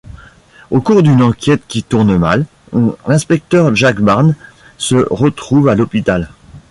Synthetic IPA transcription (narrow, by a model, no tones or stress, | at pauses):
okuʁd̪ynɑ̃kʲɛt̪kʲit̪uʁnma̰l | lɛ̃spɛk̚t̪œʁʒakbaʁn | səʁət̪χuvalɔpit̪al